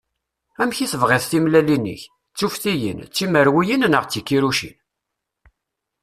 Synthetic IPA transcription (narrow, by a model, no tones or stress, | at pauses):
æmçiθəvʁɪθθimlælinːə̰ç | t͡sːufθijə̰nt͡sːiməɾwijinnəʁt͡sːikːiɾuʃḭn